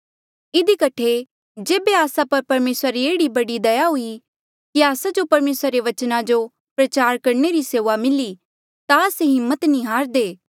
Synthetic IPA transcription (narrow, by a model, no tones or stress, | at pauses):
ɪd̪ikɐʈʰe | d͡ʒeːbeaːsapɐɾpɐɾmeːsɾaɾieːɽibɐɽid̪ɐjaɦʊi | kiaːsad͡ʒopɐɾmeːsɾaɾeʋɐt͡ʃnad͡ʒo | pɾɐt͡ʃaːɾkɐɾneɾiseːʋamɪli | t̪aːseɦɪmːət̪nĩɦaːɾd̪eː